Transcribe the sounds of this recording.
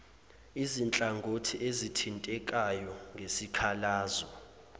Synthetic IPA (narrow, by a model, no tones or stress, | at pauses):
izint͡ɬʼaŋɡʱotʰiʔezitʰintʼɛk̬ʼajɔŋɡʱesikʰalaːzɔ